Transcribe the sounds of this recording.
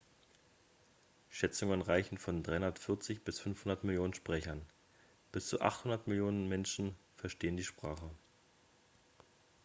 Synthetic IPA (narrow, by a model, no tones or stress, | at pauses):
ʃɛt͡sʊŋənʁaɪçn̩fɔndʁaɪhʊndɐtfɪɐt͡sɪçb̥ɪsfʏnfhʊndɐtmɪljoːnənʃpʁ̥ɛçɐn | b̥ɪst͡suʔa̰χthʊndɐtmɪljoːnənmɛnʃn̩fɛɐʃteːəndiːʃpʁ̥aːχə